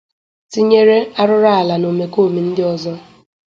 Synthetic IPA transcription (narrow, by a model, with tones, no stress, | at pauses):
ti˦ɲe˦ɾe˦a˦ɾʊ˦ɾa˦a˨la˨no˨me˨ko˦˨mi˨n̩˦dɪ˦ɔ˨zɔ˦